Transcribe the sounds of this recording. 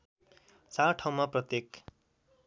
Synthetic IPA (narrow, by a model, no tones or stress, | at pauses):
t͡saɾʈʰʌw̃maprʌt̪jek